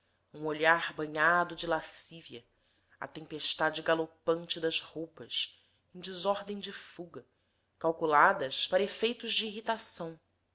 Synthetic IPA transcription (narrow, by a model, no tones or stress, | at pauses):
ũoʎaɾbɐ̃ɲad̪ʊd͡ʒɪlasiviɐ | ɐ̰t̪ẽmpeʃt̪ad͡ʒɪɡalopɐ̃nt͡ʃɪd̪ɐzhowpɐs | ẽj̃d͡ʒɪzɔɾd̪ẽj̃d͡ʒɪfuɡɐ | kawkulad̪ɐʃpaɾɐefejt̪ʊʒd͡ʒɪːɦit̪asɐ̃w̃